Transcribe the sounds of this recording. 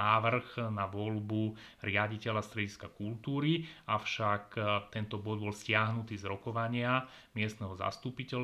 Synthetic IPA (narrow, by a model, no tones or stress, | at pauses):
aːʋr̩ɣnaʋɔlbuɾɪaɟicɛlast̪ɾɛɟiskakult̪uːɾiaʊʃakt̪ɛnt̪ɔbɔd̪bɔlscɪaɦnut̪iːzɾɔkɔʋaɲɪa | mɪɛst̪nɛɦɔza̰st̪upicɛl